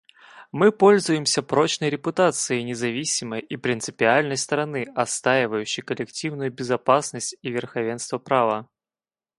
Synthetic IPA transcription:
mɨpɔlʲzʊjɪmsʲɐpɾɔt͡ɕnəjɾʲɪpʊt̪at̪sɨjəjnʲɪzavʲisʲiməjipɾʲɪnsɨpʲɪalʲnəjst̪ɐɾanɨɐt̪st̪ajʲɪvəjʉt͡ɕːijkəlʲɪkt͡sʲiwnʊjubʲɪzapasnəsʲtt͡sʲivʲɪrxavʲɛnst̪vɐpɾavɐ

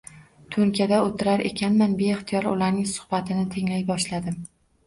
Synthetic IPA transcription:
t̪ʰʊɾkʲʰad̪aot̪ʰɪɾaɾe̞̰kʲʰanmanbeːχt̪ʰɪjɒɾʊ̰laɾnɪŋsʊ̥hbat̪ʰɪnɪt̪ʰeŋlajbɒʃlad̪ɪm

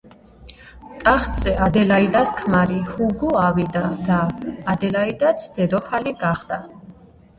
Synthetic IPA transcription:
t̪ʼaχt̪zʼɛʔad̪ɛlaid̪askʰmaɾihuɡɔavid̪ad̪̥aːd̪ɛlaid̪at̪sʰd̪̥ɛd̪ɔpʰaliɡaχd̪a

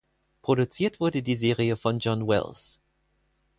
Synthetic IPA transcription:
pʁ̥oɾut͡siːɐtv̥ʊɐdədizeːʁiəfɔnd͡ʒɔnwɛ̰ls

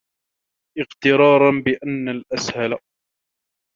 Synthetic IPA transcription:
ʔɪqt̪ɪɾˤɑːɾˤɑnbɪʔanːalʔashala

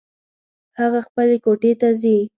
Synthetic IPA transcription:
haɣaxpəlekoʈet̪azi

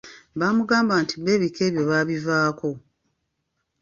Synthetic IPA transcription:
βaːmuɡaːmbaːntiβe̞ːβike̞ːβjo̞βaːβivaːko̞

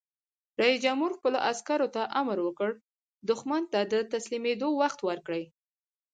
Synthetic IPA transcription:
ɾɑisd͡ʒamhuɾxpəloʔaskaɾot̪aʔamɾwəkəɽ | d̪ʊxmant̪ad̪ət̪aslimed̪owaxt̪wəɾkɽəj

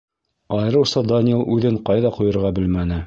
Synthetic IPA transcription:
ɑjɤ̆ɾɤ̆wsɑd̪anʲelˠʉðɘɴqɑjðɑqujɤ̆ɾʁɑbɘlmænɘ

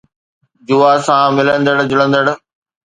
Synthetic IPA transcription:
d͡ʑuːasãːmɪlə̃nd̪əɽd͡ʑʊlə̃nd̪əɽ

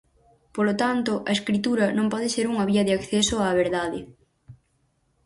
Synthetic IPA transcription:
polot̪ant̪ʊʔɐeskɾit̪uɾɐnõmpɔð̞ɪseɾuŋɐβiɐðeakθesʊaːβ̞eɾðaðɪ

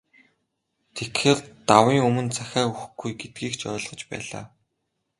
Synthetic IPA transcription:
t̪ʰekxeːrt̪awiːŋɵmɵ̆nt͡sʰæxʲæːuxɘɡujɡet̪̚ɡiːkt͡ɕœ̰ːɮʁɞ̆t͡ɕpæ̰ːɮa̰ː

